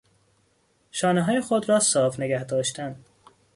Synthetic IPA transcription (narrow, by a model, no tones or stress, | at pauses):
ʃɒːneɦɒːjexod̪ɾɒːsɒːfne̞ɡæhd̪ɒːʃt̪æn